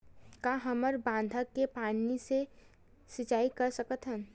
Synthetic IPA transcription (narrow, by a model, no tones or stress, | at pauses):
kaɦəməɾbãːn̆d̪ʱəkːepaːnise | sɪt͡ʃaːikəɾsəkət̪ɦən